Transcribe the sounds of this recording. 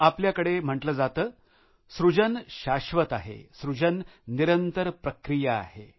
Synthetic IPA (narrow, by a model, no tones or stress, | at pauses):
apljakəɽem̤əʈləd͡zat̪əː | sɾud͡ʑənɕaɕʋət̪aɦḛsɾud͡ʑənːiɾənt̪əɾpɾəkɾija̰ːhe